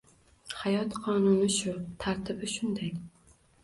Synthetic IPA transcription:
hajɒt̪qʰɒnʊnɪʃʊt̪ʰaɾt̪ʰɪbɪʃʊnd̪aj

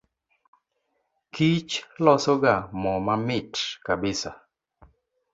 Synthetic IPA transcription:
kit͡ʃlɔsoɡamɔmamɪtkabɪsa

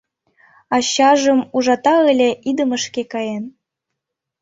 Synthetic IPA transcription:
ɑɕɑʒə̆muʒɑt̪ɑəlʲeʔid̪əmə̆ʃkekɑjen

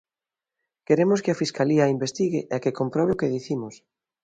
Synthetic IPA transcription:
keɾemʊskeafiskaliɐimbest̪iɣḛʔekekompɾoβeokeðiθimos

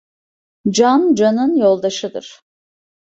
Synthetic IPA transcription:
d͡ʒand͡ʒanɯnjo̞lˠd̪aʃɯd̪ɯ̰ɾ̥

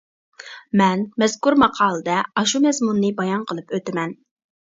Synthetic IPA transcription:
mɛnmɛzkuɾmɑqʰɑːlˠɨd̪ɛɑʃumɛzmunːɨbɑjɑnqʰəlˠɨpøt̪ɪmɛn

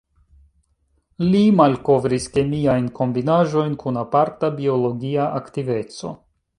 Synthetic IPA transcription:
limalko̞vɾiske̞miajnko̞mbinaʒo̞jnkunapaɾtabio̞lo̞ɡiaʔaktive̞t͡so̞̰

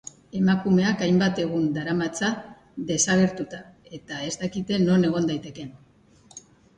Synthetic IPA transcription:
e̞makume̞akajmbat̪e̞ɣ̞und̪aɾamat͡sa | ðe̞saɣ̞e̞ɾt̪ut̪ae̞t̪ae̞zt̪akit̪e̞no̞ne̞ɣ̞o̞nd̪ajt̪e̞ke̞n

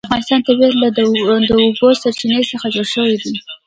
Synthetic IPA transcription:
afɣɑnɪst̪ɑnt̪abeɾlad̪əobosaɾt͡ʃinəjsəxad͡ʒoɽʃəwid̪i

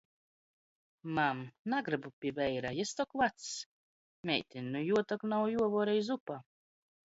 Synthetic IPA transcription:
mamnaɡɾɨbupʲivʲɛjɾajɛst̪ɔkvat̪s | mʲɛ̰jt̪ʲinʲːujuɔt̪aknawjuɔvɔːɾɛjzupa

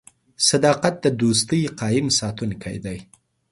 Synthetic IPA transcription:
sad̪ɑqat̪̚d̪əd̪ust̪əjqɑjɪmsɑt̪unkʰa̰jd̪aj

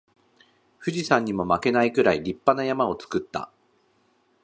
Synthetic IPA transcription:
ɸɯ̟ʑisãɲ̟ːimo̞make̞naikɯ̟ɾaiɾʲipːanajamao̞t͡sɨ̥kɯ̟t̪ːa̰

